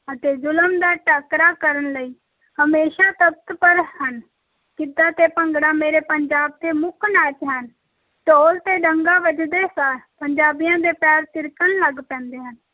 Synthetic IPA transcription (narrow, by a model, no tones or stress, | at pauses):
ət̪eːzʊləmd̪aːʈəkɾaːkəɾənləiː | həmeːʃaːt̪əb̚t̪pəɾhən | kɪd̪ːãːt̪eːpəŋɡɽaːmeːɾeːpəɲd͡ʒaːb̚t̪eːmʊkʰnaːt͡ʃɦən | ʈ̪oːlt̪eːɖəŋɡaːʋəd͡ʒd̪eːsaːlpəɲd͡ʒaːbɪjãːd̪eːpɛːɾt̪ɪɾkənləɡpɛ̃ːnd̪eːɦən